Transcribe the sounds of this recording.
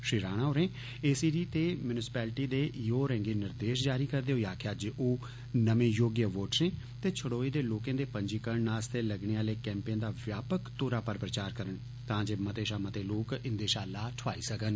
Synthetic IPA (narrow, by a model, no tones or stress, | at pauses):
ʃiːɾaːɽ̃aːʊɾẽː | eːsiːɖiːt̪eːmjʊnɪsɪ̥pɛːlʈiːd̪eːjoːɾɛ̃ːŋɡiːnɪɾd̪eːʃ̬d͡ʒaːɾiːkəɾd̪eːɦoːiaːkʰjaːd͡ʒeʔoː | nəmẽːjoːɡjəʋoːʈsẽː | t̪eːt͡ʃʰəɽoːiːd̪eːloːkẽːd̪eːpəɲd͡ʒiːkəɾɳnaːst̪ʰeːləɡɳeːaːleːkɛ̃ːmpãːd̪aːʋjaːpəkt̪oːɾaːpəɾpɾət͡ʃaːɾkəɾən | t̪ãːd͡ʒeːmət̪eːʃaːmət̪eːloːkɪnd̪eːʃaːlaːʈʰʋaːḭːsəkən